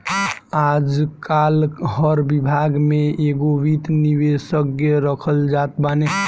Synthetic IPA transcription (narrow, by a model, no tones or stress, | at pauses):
ad͡ʒkalhəɾbibʱaɡmeeɡoʋit̪niʋesəɡəɾəkʰəld͡ʒat̪bane